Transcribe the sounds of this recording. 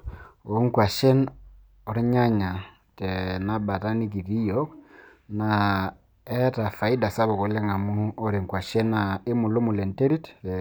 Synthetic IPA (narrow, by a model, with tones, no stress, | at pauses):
o˦ŋkwa˨ʃɛ˦n | ɔ˨ɾi˦ɲa˦ɲa˨ | tɛ˨na˦ba˨ta˦ni˦ɡi˨ɾi˦jɔ˦k | na | ɛ˦ta˨fa˨i˦da˨sa˦βɔ˨ɣo˨le˦ŋa˨mu˦o˦ɾe˨ŋkwa˨ʃɛ˦na˨e˦mu˨lo˦mu˨lɛ˨nte˦ɾi˦t